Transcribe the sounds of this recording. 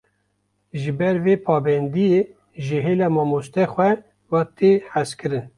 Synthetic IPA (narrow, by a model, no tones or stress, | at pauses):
ʒɨbɛɾveːpʰɑːbɛnd̪ije | ʒɨɦeːlɑːmɑːmost̪ɛxʷɛ | wɑt̪eħæskʰɨɾɨn